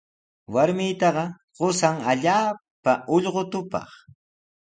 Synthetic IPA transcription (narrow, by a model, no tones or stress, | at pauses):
waɾmɪjt̪ɑɢɑ | ɢosaŋaʎaːpaʊʎɢot̪ʊpɑ̰χ